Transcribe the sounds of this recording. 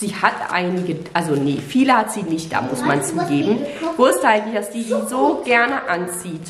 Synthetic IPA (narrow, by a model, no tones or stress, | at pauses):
z̥iːhatʔa̰ɪnɪɡəʔalzonəfiːləhatz̥iːnɪçt̚d̥a̰ːmʊsmant͡suːɡeːbm̩vʊɐstʔaɪɡŋ̩tlɪçd̥asd̥iːdiːzoːɡɛɐnəʔant͡siːt